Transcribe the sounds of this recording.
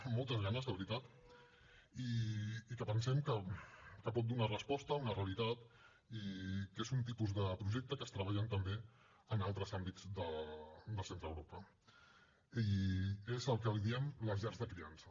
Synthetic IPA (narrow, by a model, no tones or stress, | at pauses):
mːɔlˠt̪əzɣanəzðəβɾit̪at̪ | iːkəpənsɛmkəkəpɔt̪̚d̪unarəspɔst̪əunəreəlit̪at̪ | ikezunt̪ipuzðəpɾuʒek̚t̪əkəst̪ɾəβaʎənt̪əmbe | ənalˠt̪ɾəzambid͡zd̪əd̪əlˠsent̪ɾə̰wɾopə | iezəlˠkəliðiəmləzɛɾzðəkɾiansə